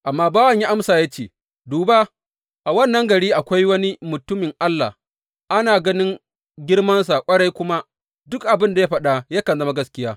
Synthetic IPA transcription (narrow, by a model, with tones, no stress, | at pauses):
ʔa˨mːaː˦baː˦wɐ˨ɲja˦ʔa˦msaː˨ja˦t͡ʃeː˦˨ | duː˨baː˦ | ʔa˨wɐ˦˨nːɐ˦ŋɡɐ˨ɽiː˦ʔa˨kʷa˦jwɐ˦ni˦mʊ˨tʊ˦mɪ˨ŋʔa˦lːa̰ː˨h | ʔa˦naː˨ɡɐ˦nɪ˦ŋ | ɡʲɪ˦ɽmɐ˦ns̬a˨kʷʼɐ˦ɽa˦jkʷʊ˦ma˦ | dʊ˦k̚ʔa˨bɪ˦nda˨ja˦ɸɐ˦ɗa˨jaː˦kɐ˨nzɐ˦ma˦ɡɐ˦skʲɪ˦jaː˦